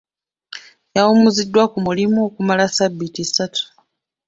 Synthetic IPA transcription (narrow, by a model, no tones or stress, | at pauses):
jawumuzidːwakumulimuokumalasaβːitisatʰu̥